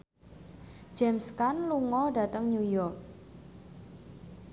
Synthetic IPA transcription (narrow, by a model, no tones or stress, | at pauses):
d͡ʒ̥ɛmskanluŋɔɖa̤t̪əŋnujɔrk̚